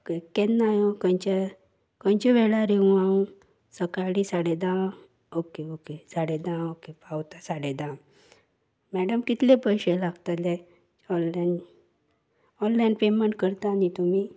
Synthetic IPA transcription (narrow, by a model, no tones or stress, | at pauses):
kekːennajokə̃nt͡ɕa | kə̃nt͡ɕeʋɛɭaɾeũaũ | səkaɽisaɽed̪ãw | okeokesaɽed̪ãokepawt̪asaɽed̪ãw | mɛɽəmkit̪lepəjɕelaɡt̪əle | ɔlːn | ɔnlanpemeɳʈ̚kəɾt̪anit̪umi